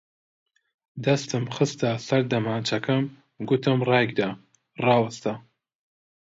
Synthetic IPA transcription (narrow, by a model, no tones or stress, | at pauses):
d̪ɐst̪ɨmxɨst̪asɐɾd̪ɐmaːnt͡ʃʰɐkʰɐm | ɡʊt̪ʰɨmrɑːjɡd̪aː | rɑːwɐst̪a